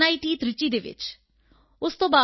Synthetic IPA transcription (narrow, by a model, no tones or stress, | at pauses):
aːiʈiːt̪ɾɪt͡ʃiːd̪eːʋɪ̰t͡ʃ | ʊst̪õːbaː